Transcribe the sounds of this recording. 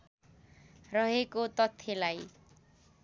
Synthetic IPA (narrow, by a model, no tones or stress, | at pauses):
rʌɦekot̪ʌt̪ʰːelaj